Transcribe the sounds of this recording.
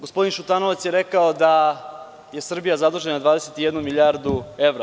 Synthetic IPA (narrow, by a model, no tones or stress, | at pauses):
ɡospo̞d̪inʃut̪aːnoʋasje̞ɾe̞kaod̪a | je̞sr̩bijazad̪uʒe̞nad̪vʋaːd̪eset̪ijed̪numiʎʲaɾd̪ue̞ʋɾa